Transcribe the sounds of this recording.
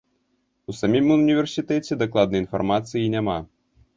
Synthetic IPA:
usamʲimunʲivʲɛrsʲit̪ɛt͡sʲɛd̪aklˠad̪̚nɐjinfa̰rmat̪sɨjinʲama

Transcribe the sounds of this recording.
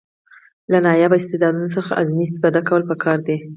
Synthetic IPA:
lanɑjabaɪst̪ed̪ɑd̪unosəxaʔazmis̬t̪fɑd̪akawəlpəkʰɑɾd̪e

